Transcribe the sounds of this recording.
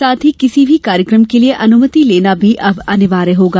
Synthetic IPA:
saːt̪ɦikɪsibʱikaːɾjəkɾəmkelieʔɐnʊmət̪ileːnabʱiʔɐbɐnɪʋaːɾeɦoːɡaː

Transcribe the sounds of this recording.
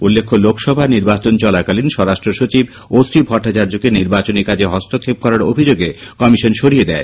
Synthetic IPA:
ulːekʰːolokʰʃɔbʱaniɾbat͡ɕont͡ɕɔlakalinʃɔɾaʃʈɾoʃot͡ɕib | osɾibʱɔʈːat͡ɕaɾd͡ʑokeniɾbat͡ɕoniɾkad͡ʑeɦɔst̪okʰːep̚kɔɾaɾo̰bʱid͡ʑoɡekɔmiʃonʃoɽied̪ɛe

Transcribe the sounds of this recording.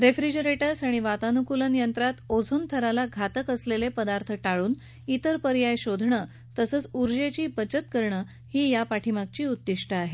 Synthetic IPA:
ɾefɾid͡ʑəɾeʈəsaɽ̃iʋat̪anukulənijənt̪ɾat̪od͡zʱuːnt̪ʰəɾalaɡʱat̪əkəslelepəd̪aɾt̪ʰəʈaɭuːn | it̪əɾpəɾjajɕod̪ʱɳə | t̪əsət͡suɾd͡ʑet͡ɕiːbət͡ɕət̪kəɾɳə | hiːjapaʈʰimak̚t͡ɕiːud̪ːiʂʈʰəaɦe

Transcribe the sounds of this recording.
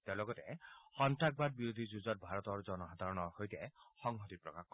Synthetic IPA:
teʊlɔɡɔtɛxɔntak̚bad̚biɹod̪ʱizuzɔt̚bʱaɹɔtɔɹzɔnɔxad̪ʱaɹɔnɔɹxojtɛxɔŋɦɔtipɹɔ̰kaxkɔ

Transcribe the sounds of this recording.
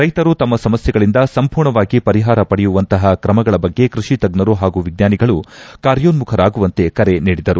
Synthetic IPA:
ɾɐjt̪ɐɾut̪ɐmːɐsɐmɐsjɛɡɐɭind̪ɐsɐmpuːɾɳɐʋaːɡipɐɾiɦaːɾɐpɐɽɛjuʋɐnt̪ɐɦɐkɾɐmɐɡɐɭɐbɐɡːe̞kɾuʂit̪ɐɡnɐɾuɦaːɡuʋiɡ̚naːniɡɐɭukaːɾjoːnmukʰɐɾaːɡuʋɐnt̪e̞kɐɾe̞niːɽid̪ɐɾu

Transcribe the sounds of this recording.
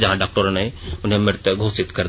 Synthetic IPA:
d͡ʒɐɦãɖaːk̚ʈəɾənɦẽʊnɦẽmɪɾt̪jəɡʱoːsɪt̪kɐɾd̪

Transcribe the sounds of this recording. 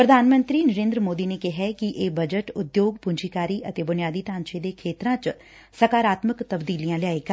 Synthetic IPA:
pɾəd̪ʱaːnmə̃nt̪ɾiːnəɾẽːnd̪ɾəmoːd̪iːneːkɪɦɛːkiʔeːbəd͡ʒəʈʊd̪joːɡpʊɲd͡ʒiːkaːɾiːʔət̪eːbʊnɪjaːd̪iːt̪ãːnt͡ʃed̪eːkʰeːt̪ɾãːt͡ʃ | səkaːɾaːt̪məkt̪əbd̪iːlijãːlɪjaːeːɡa

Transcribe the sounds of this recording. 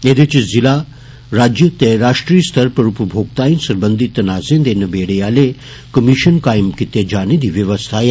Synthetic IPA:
ed̪et͡ʃizila | ɾaːd͡ʒjət̪eɾaːʂʈɾijst̪ʰɐɾpɐɾupəbʱoːɡ̚t̪aːjĩnsɐɾbənd̪ʱit̪ːɐnaːzeːnd̪enɐbeːɽejaːle | kəmiʃənkaːjmkit̪ed͡ʒaːnid̪iʋjɐʋəst̪ʰae

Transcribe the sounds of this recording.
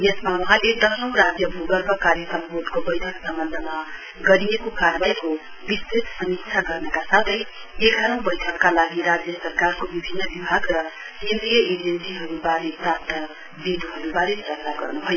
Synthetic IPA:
jesmawʌɦãled̪ʌsnʌ̃w̃ɾad͡zjʌbʱuɡʌrbʌkaɾjʌkʌmɦod̪kobʌjʈʰʌksʌmbʌnd̪ʱəma | ɡʌɾijekokaɾbajko | bist̪it̪sʌmiksʰaɡʌrnʌkasat̪ʰʌj | eɡʱaɾʌ̃w̃bʌjʈʰʌkːalaɡiɾad͡zjʌsʌrkarkobibʱinːʌbibʱaɡrʌ | kend̪ɾijʌed͡ʒensiɦʌɾubaɾepɾap̚t̪ʰʌ | bid̪ʱɦʌɾubaɾepɾʌkt̪aɡʌ̰rnuɦoj

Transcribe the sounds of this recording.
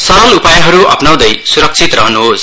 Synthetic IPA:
sʌɾʌlupajʌɦʌɾuʔʌ̰pnaw̃d̪ʌjsuɾʌk̚t͡sʰit̪rʌɦʌnuɦos

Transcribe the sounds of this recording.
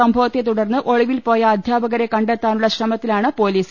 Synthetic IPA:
ɐmbʱɐʋɐt̪ːjet̪uɽɐrnːɨʔo̞ɻiʋilpo̞ːjɐːd̪ʱjaːbɐɣɐɾe̞kɐɳɖet̪ːaːnuɭːɐɕrɐmɐt̪ːilaːɳɨpo̞ːliːs

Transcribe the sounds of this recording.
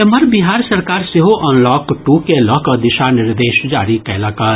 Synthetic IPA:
eməɾbiɦaːɾsɐɾkaːɾseɦoʔɔːnlɔːkʈukelɔkəd̪ɪʃanɪɾd̪eːʃd͡ʒaːɾikɛːlɐkə

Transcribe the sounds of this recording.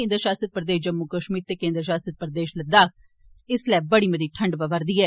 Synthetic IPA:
ẽːnd̪əɾʃaːsəd̪̚pɾəd̪eːʃd͡ʒəmːukəʃmiːɾt̪eːkẽːnd̪ɾʃaːsət̪̚pɾəd̪eːʃləd̪aːk | ɪslɛːbəɽiːməd̪iːʈʰəɳɖpaʋəɾd̪iːɛː

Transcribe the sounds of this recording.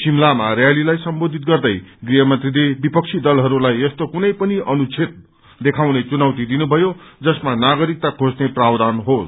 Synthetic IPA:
simlamarjalilajsʌmbod̪ʱit̪̚ɡʌrd̪ʌjɡrijʌmʌnt̪ridebipʌk̚t͡sʰid̪ʌlɦʌɾulajʌst̪okunʌjpʌniʌnut͡sʰet̪̚ | d̪ekʰawnet͡sunawt̪id̪inubʱʌjod͡zʌsmanaɡʌɾik̚t̪akʰosneprawd̪anɦos

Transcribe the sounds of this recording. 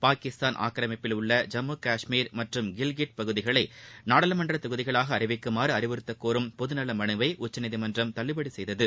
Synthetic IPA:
paːkɪst̪aːnʔa̰ːkɾɐmɐpːɪlʊɭːɐd͡ʒɐmːuːkaːʂmiːɾmɐʈrɯmɡɪlɡɪʈ̚pɐɣɯðɪɣɐɭɐɪnaːɽɐlɐmɐndrɐt̪ɐɣɯðɪɣɐɭaːɣɐːɾɪʋɪkːɯmaːɾɯɐɾɪʋɯɾɯt̪ːɐkːoːɾɯmpɔðɯnɐlːɐmɐnɯʋɐɪʔʊt͡ʃːɐnɪðimɐndrɐmt̪ɐɭːɪbɐɽisɛjðɐðɯ

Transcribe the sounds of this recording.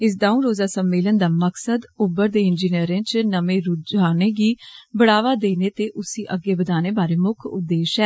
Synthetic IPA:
ɪs̬d̪aːũːɾoːzaːsəmːeːlənd̪aːməksəd̪ʊbːəɾd̪eːɪnd͡ʒiːnijəɾẽːt͡ʃnəmẽːɾʊd͡ʒaːneːɡiːbəɽaːʋaːd̪eːneːt̪eːʔʊsiːʔəɡeːbəd̪aːneːbaːɾeːmʊkʰʊ̰d̪eːʃɛː

